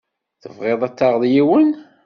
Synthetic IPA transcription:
θəvʁeðˤæt͡sːɑʁðˤjiwən

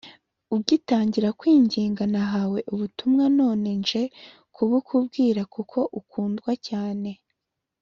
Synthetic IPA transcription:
ub̚ɡitaːɲɟiɾakwiːɲɟiːŋɡanaɦawe̞ʔuβutumŋano̞ːne̞nʒe̞ | kʰuβukʰub̚ɡiːɾakukʰo̞ʔukuːndɡwacaːne̞

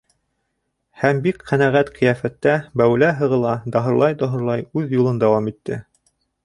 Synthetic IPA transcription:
hæmbikqænæʁæt̪qɤ̆jɑfæt̪ːæbæwlæɦɤ̆ʁɤ̆lˠɑd̪ɑɦɤ̆ɾlˠɑjd̪ɑɦɤ̆ɾlˠɑjʉðjulˠɤnd̪æwɑmit̪ːɘ̰

